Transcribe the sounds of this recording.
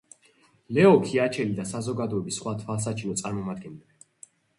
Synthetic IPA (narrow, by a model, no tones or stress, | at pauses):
lɛɔkʰiat͡ʃʰɛlid̪asazɔɡad̪ɔɛbisχwat̪ʰwals̬at͡ʃʰinɔt̪sʼaɾmɔmad̪̚ɡɛnlɛbɛ